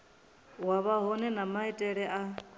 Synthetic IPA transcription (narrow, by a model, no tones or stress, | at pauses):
waβaɦɔnɛnamaitʼɛɺɛʔa